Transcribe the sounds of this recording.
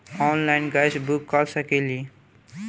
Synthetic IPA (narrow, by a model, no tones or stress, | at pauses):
ɔːnlaɪnɡajd͡ʒbukːɔlsəkeli